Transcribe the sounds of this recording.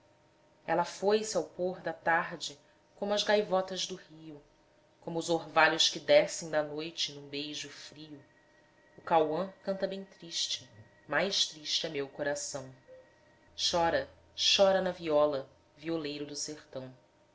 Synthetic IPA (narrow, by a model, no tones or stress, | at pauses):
ɛlɐfojsɪawpoɦd̪ɐt̪aɦd͡ʒɪ | kõmʊɐzɡajvɔt̪ɐʒd̪ʊhiʊ | kõmʊːzoɾvaʎʊʃkɪd̪ɛsẽj̃d̪ɐnojt͡ʃɪnũbejʒʊfɾiʊ | ʊkawɐ̃kɐ̃nt̪ɐbẽj̃t̪ɾiʃt͡ʃɪ̥ | majʃt̪ɾiʃt͡ʃɪɐmewkoɾasɐ̃w̃ | ʃɔɾɐ | ʃɔɾɐnɐviɔlɐ | violejɾʊd̪ʊseχt̪ɐ̃w̃